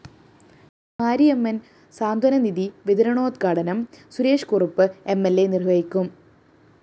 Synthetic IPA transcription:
maːɾiemːɐn | saːnd̪ʱɐnɐniðiʋiðɐɾɐɳo̞ːd̪kaːɽɐnɐmsuɾeːʂkurupːɨe̞mːelːenirʋɐjikʲːum

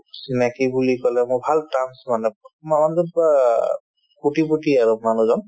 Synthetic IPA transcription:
sinakibulikɔlɛmʊbʱaltamsmanɛɔmaɔndɔa | kuʈibuʈiaɹumanuzɔn

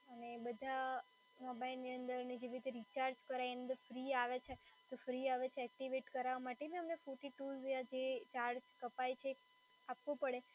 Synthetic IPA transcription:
ənebəd̪ʱa | mɔbainːiənd̪əɾned͡ʒeʋiɾit̪eɾit͡ʃaɾd͡ʒkəɾajnənd̪əɾfɾiaʋet͡ʃʰet̪ofɾiaʋet͡ʃʰeɛk̚ʈiʋeʈkəɾaʋamaʈeniəmnefuʈiʈulzjãd͡ʒet͡ʃaɾd͡ʒkəpajt͡ʃʰe | apʋũpəɽe

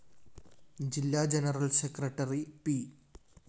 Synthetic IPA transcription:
d͡ʑilːaːd͡ʑenɐrɐlsekrɐʈːɐripi

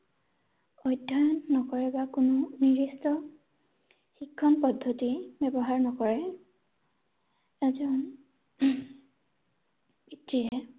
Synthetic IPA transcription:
ɔjdʱːajɔnːɔkɔɹɛbakʊnʊniɹistɔ | xikʰːɔnpɔdʱːotibɛbɔɦaɹnɔkɔɹɛ | ɛzɔn | bitːiɦɛ

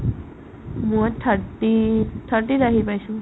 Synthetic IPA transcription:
mũʈʰəʈiʈʰəʈiɾaɦipajɕũ

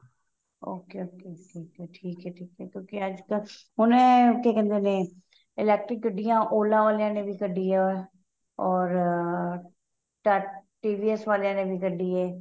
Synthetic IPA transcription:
oːkeoːkeːʈʰiːkɛːʈʰiːkɦɛːʈʰiːkɛːkjõːkeəd͡ʒkə | ɦʊnẽːk̪ʰeːkɛ̃ːnd̪eːnẽː | ɪlɛːk̚ʈɾɪkːəɖːijãːʔoːlãːʋaːlejãːnẽːbʱiːkəɖiːɛ | ɔːɾ | ʈəʈiːʋiːɛsʋaːlejãːnẽːbʱiːkəɖiːɦɛː

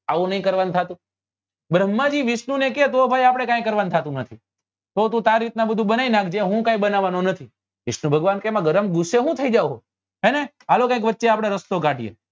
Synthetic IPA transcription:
aʋũnəɦĩkəɾʋant̪ʰat̪ũ | bɾəmːad͡ʒiʋɪʃnũneket̪obʱajapɽ̃ekãĩkəɾʋañt̪ʰat̪ũnət̪ʰi | t̪ot̪̬ũt̪aɾit̪̚nabəd̪ʱũbənainãkʰd͡ʒẽɦũkãĩbənaʋanonət̪ʰi | ʋɪʃnũbʱəɡʋankemãɡəɾəmɡʊsːeɦũt̪ʰəid͡ʒauɦo | ɦene | alokãĩkʋətːʃeapɽ̃eɾəst̪oɡaʈijḛ

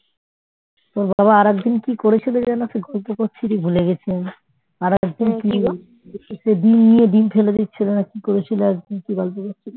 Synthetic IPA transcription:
t̪oɾbaβaaɾɛkd̪inkikoɾet͡ɕʰiled͡ʑanaseɡɔlpokoɾt͡ɕʰiɾibʱuleɡɛt͡ɕʰen | aɾɛk̚d̪inkima | eesed̪inːijed̪infʰeled̪it̪ːɕʰilenakikoɾet͡ɕʰileaɛk̚d̪inkiɡɔlp̬okoɾt͡ɕʰile

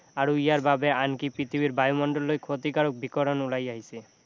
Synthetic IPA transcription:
aɾuijaɾbabeankipit̪ʰibiɾbajumɔɳɖɔlːojkʰot̪ikaɽok̚bikɔɾɔnulajaɦise

